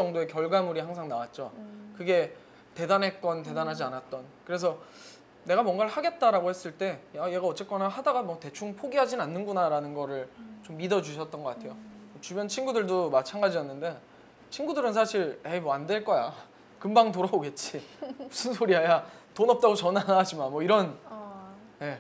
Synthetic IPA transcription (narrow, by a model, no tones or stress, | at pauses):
t͡ɕʌŋdoe̞kjʌɭɡamuɾiɦaŋs̬ʰaŋnawat̚t͡ɕ͈okɯɡe̞ | te̞danɦe̞k͈ʌnt̬e̞danɦad͡ʑianat̚t͈ʌnkɯɾe̞s̬ʰʌ | ne̞ɡamwʌnɡaɭhaɡe̞t̚t͈aɾaɡohe̞s͈ɯɭt͈e̞aje̞ɡaʌt͡ɕ͈ek͈wʌnaɦadaɡamwʌte̞t͡ɕʰuŋpʰoɡiɦad͡ʑinanːɯnɡunaɾanɯnɡʌɾɯɭt͡ɕomːidʌd͡ʑuɕʰʌt̚t͈ʌnɡʌk͈atʰe̞joʌt͡ɕubjʌnt͡ɕʰinɡudɯɭdomat͡ɕʰanɡad͡ʑijʌnːɯnde̞ | t͡ɕʰinɡudɯɾɯns̬ʰaɕʰiɾemʌande̞ɭk͈ʌja̰ | kɯmbaŋtoɾaboɡe̞t̚t͡ɕ͈imusʰɯnsʰoɾiɦajatonʌp̚t͈aɡot͡ɕʌnanad͡ʑimanmwʌiɾʌn | je̞